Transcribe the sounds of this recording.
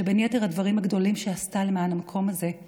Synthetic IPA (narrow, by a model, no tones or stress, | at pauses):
ebenjeteʁadvaʁimhaɡdo̞limʃeastalemaːnamakʰo̞maze̞